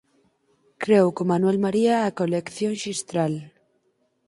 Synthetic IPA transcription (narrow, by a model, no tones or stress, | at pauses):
kɾewkomanwelmaɾiaːkolekθjõŋʃist̪ɾal